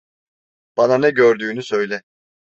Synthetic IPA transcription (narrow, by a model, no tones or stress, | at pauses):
b̥ananɛɟøɾd̪yːnysø̞jlʲɛ